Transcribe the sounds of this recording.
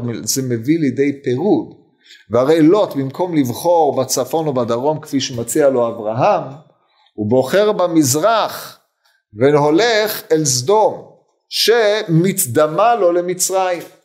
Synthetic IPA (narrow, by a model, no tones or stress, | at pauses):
mizemevilied̪ejpeʁud | vehaʁe̞jlo̞t̪bimkʰo̞mlivχo̞ʁbat͡safo̞nobad̪aʁo̞mkfiʃemat͡sialo̞avʁaɦam | ubo̞χe̞ʁbamizʁaχ | venho̞leχelzd̪o̞m | ʃemitd̪amalo̞lemit͡sʁaim